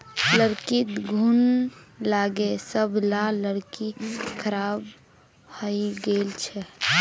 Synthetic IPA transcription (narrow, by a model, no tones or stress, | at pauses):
ləɾkit̪ɡʱunlaɡesəbʱlaləɽkikʰəɾab | həjɡelt͡ʃʰɛ